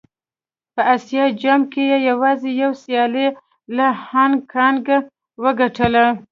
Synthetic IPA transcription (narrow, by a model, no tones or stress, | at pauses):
pəasjɑd͡ʒamkejejawɑzejawsjɑle | lahankʰɑnɡa | wəɡaʈəla